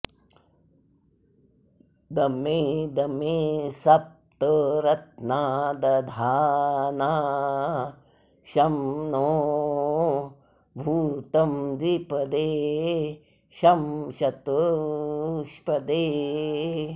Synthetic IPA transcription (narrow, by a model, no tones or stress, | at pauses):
d̪ɐmed̪ɐmesɐp̚t̪ɐɾɐt̪̚naːd̪ɐd̪ʱaːna | ʃɐmnoː | bʱuːt̪ɐmd͡ʒ̪ipɐd̪eː | ʃɐmʃɐt̪u | ʃpɐd̪eː